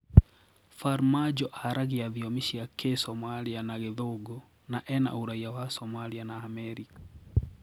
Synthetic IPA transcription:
faɾmad͡ʒɔʔaɾʔaɣiaðiɔmiʃiakesɔmalianaɣeðoɡɔ | naʔɛna̰uɾaiawasɔmalianaːmɛɾikḁ

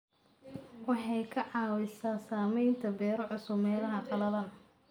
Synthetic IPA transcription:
wɑħɑjkʰɐʕɑːwɪsaːsaːmɛjnt̪ʰɐbɛːɾɔʕʊsʊbmɛːlɐɦɐqɑlɐðɐːn

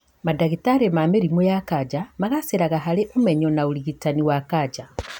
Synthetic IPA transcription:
madaɣitaɾemameɾimwejakad͡ʒamaɣaseɾaɣaɦaleʔumeɲɔnauliɣitaniwakad͡ʒa

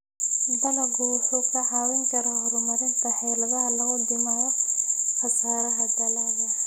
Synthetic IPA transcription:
d̪ɐnɐɡuːħʊkʰɐʕaːwɪŋkɐɾɐhɔɾʊmɐɾɪnt̪ʰɐħɛlɐðɐɦɐlɐɣʊd̪ɪmaːjɔxɐsaːɾɐɦɐd̪ɐlaβɐ

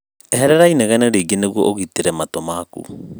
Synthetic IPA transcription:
ɛɦɛɾɛɾaineɣɛneɾeːɡeneɣwɔ̰ʔoɣiteɾɛmatomaːkṵ

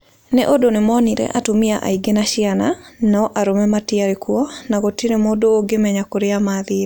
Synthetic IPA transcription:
nɛʔodonɪmɔniɾɛ̰ʔatomɪaʔa̰iɡenaʃɪananaɔʔaɾomɛmatɪaɾekwɔnaɡotiɾemodoːɡemɛɲakoɾeamaðɪɾ

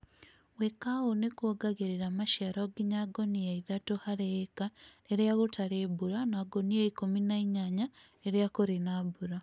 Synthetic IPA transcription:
wekawonekwoɡaɣeɾeɾamaʃaɾoːɡiɲaɡonijaiðatohaɾeekaeɾjaɣotaɾeːbuɾanaːɡonieikominaiɲaɲa | eɾjakoɾinabuɾa

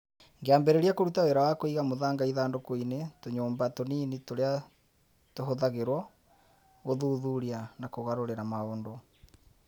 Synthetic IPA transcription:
ŋɡeambɛɾɛɾiakoɾutawɛɾawakoiɣamoðaːŋɡaiðaːndokoinetoɲoːmbatoniːnitoɾea | toɦoðaɣeɾwɔ | ɣoðuːðuɾianakoɣaɾoɾeɾamaoːndɔ

